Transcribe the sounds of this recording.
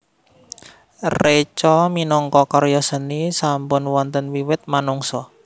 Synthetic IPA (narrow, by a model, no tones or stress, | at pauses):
ret͡ʃɔminɔŋkɔkɔɾjɔsənisampʊnwɔnt̪ənwiwɪt̪̚manuŋsɔ